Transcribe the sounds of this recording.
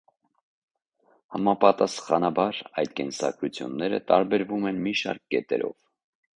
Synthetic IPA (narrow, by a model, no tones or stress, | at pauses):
hɑmɑpɑt̪ɑsχɑnɑbɑɾɑjd̪kɛnsɑ̰kʰɾut͡sʰjṵnːɛɾə̰t̪ɑɾbɛɾvumɛnmiʃɑ̰ɾkːɛt̪ɛ̰ɾɔ̰v̥